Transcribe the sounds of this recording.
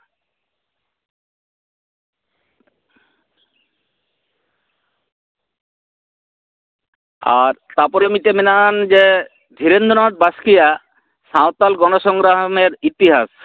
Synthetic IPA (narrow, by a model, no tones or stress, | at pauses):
a̰ɾt̪apɔɾemiʈemenand͡ʒe | d̪ʱiɾend̪ʱonɔʈ̚baskija | sãot̪alɡɔnoʃɔŋɡɾaɦɔmeɾit̪iɦas